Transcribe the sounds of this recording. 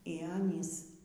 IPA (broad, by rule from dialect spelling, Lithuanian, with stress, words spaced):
iː ˈɑːnʲiːs